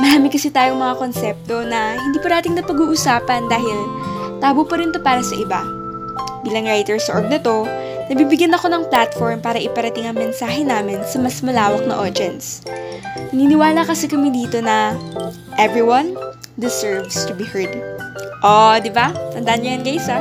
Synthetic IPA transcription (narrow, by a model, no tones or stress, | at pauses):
mɐɾaːmɪkɐsɛt̪aːjoŋmɐŋako̞nsɛp̚t̪o̞nɐhɪnd̪iːpɐnaːt̪ɪŋnɐpɐɡuːʔʊsaːpɐnd̪aːɦɪlt̪aːbopɐɾɪnt̪o̞paːɾɐsɐʔɪba | biːlɐŋɹajt̪ɛɹsʔoɹɡ̚nɐt̪o̞ | nɐɡ̚biːbɪɡjɐnɐko̞nɐŋplat̪foɹmpaːɾɐʔɪpɐɾɐt̪ɪŋɐŋmɛnsaːɦɛnaːmɪnsɐmɐsmɐlaːwɐk̚nɐ̰ʔod͡ʒ̪ɛnt̪s | nɐniːnɪwaːlakɐsɛkɐmɛd̪iːt̪o̞nɐ | ʔɛvɹiwɐn | d̪ɪsɛɹvst̪ʊbihɛɹd̪ʔod̪ɪbat̪ɐnd̪aːʔɐnɲɐjɐnɡɐʔɪsɐ